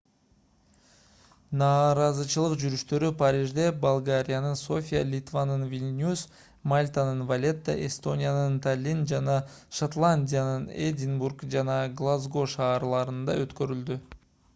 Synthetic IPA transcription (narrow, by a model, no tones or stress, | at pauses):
nɑːɾɑzɯt͡ʃɯlˠɯqd͡ʒyɾyʃt̪ø̞ɾypaɾʲiʒd̪e̞balˠɡaɾʲijanɯnso̞fʲijalʲit̪vanɯnvʲilʲnʲus | malʲt̪anɯnvalʲe̞t̪ːə̰ʔest̪o̞nʲijanɯnt̪alʲind͡ʒɑnɑʃat̪lˠanʲdʲijanɯnedʲɪnburkd͡ʒɑnɑɡlˠazɡo̞ʃɑːɾlˠɑɾɯnd̪ɑøt̪kø̞ɾyld̪y